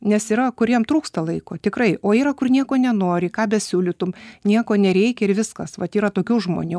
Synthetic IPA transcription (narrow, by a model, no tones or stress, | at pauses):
nʲɛsiɾɐkʊɾʲiɛmt̪ɾuːkst̪ɐlˠɐɪkoːt̪ʲɪkɾɐɪʔoːiːɾɐkʊrnʲiɛkoːnʲɛnoːɾʲɪkɑːbʲɛsʲuːlʲɪt̪ʊmnʲiɛkoːnʲɛɾʲɛɪkʲɛɪɾʋʲɪskɐsʋɐt̪iːɾɐt̪oːkʲuːʒmo̰nʲu